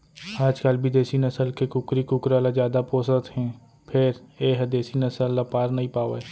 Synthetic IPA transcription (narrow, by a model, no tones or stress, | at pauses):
aːd͡ʒkəlbʱid̪eːsinəsəlkekʊkɾikʊkɾaːlazjaːd̪apoːsət̪ɦɛ̃ː | pʰɪɾeːɦd̪eːsinəsəlːapaːɾnɐɦĩpaːʋeː